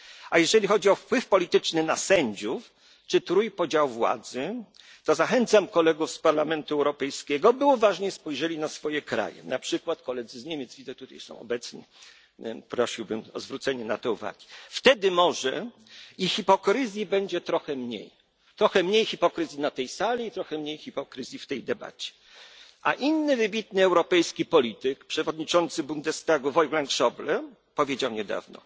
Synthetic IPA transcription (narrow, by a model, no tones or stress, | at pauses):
ajɛʐɛlʲixɔd͡ʑiɔfpwɘfpɔlʲit̪ɘt͡ʂnɘnasɛɲd͡ʑuf | t͡ʂɘt̪ɾujpɔd͡ʑawvwa̰d̪zɘ | t̪ɔzaxɛnt̪samkɔlɛɡufspaɾlamɛnt̪uɛwɾɔpɛjskʲɛɡɔbɘuvaʐɲɛspɔjʐɛlʲinasfɔjɛkɾa̰jɛ̰napʂɘkwat̪kɔlɛd̪zɘzɲemʲjɛt̪zvʲid̪ɛt̪ut̪ajsɔ̰̃w̃ɔ̰bɛt̪sɲḭ | pɾɔɕiwbɘmɔzvɾut̪sɛɲɛnat̪ɛuva̰ɡʲift̪ɛd̪ɘmɔʐɛ | ixipɔkɾɘzʲjibɛɲd͡ʑɛt̪ɾɔxɛmɲḛj | t̪ɾɔxɛmɲejxʲipɔkɾɘzʲinat̪ɛjsalʲiit̪ɾɔxɛmɲejxʲipɔkɾɘzʲjift̪ɛjd̪ɛba̰t͡ɕɛ̥ | ʔa̰ʔinːɘvɘbʲit̪nɘɛwɾɔpɛjskʲipɔlʲit̪ɘkpʂɛvɔd̪ɲit͡ʂɔnt̪sɘbund̪ɛst̪aɡuvɔjɡlaŋkʂɔblɛ | pɔvʲjed͡ʑawɲɛd̪a̰vnɔ̰